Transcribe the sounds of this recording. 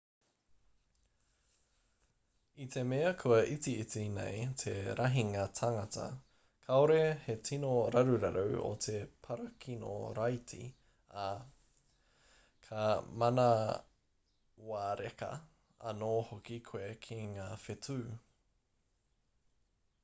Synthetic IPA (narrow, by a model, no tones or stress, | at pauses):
itʰe̞meːɐkʰuɐʔit͡siit͡sinḛjtʰe̞ɾʔɐɦiŋatʰaŋɐtɐ̰ | kʰaoɾehe̞tʰinoɾɐɾuɾɐɾowo̰tʰe̞pʰɐɾɐkʰino̰ɾajtʰḭ | a | kʰɐmɐnɐ | waːɾekɐ̰ | ɐ̰noːhokikʰoekʰiŋaːfetʰʉː